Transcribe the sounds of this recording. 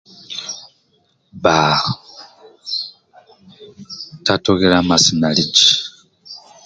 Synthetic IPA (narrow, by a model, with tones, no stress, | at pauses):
ba˨ | ta˦to˦ɣi˦la˦ma˨si˨na˨li˦t͡ʃi̥